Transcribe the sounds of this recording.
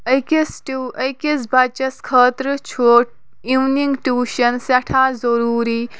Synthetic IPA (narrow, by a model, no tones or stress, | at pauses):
ɐkisʈuɐjkisbɐt͡ʃɐskʰɐːt̪ɾɨt͡ʃʰoːʈ̚ | iwniŋɡʈuːʃɐnsɐʈʰaːzɐɾuːɾiː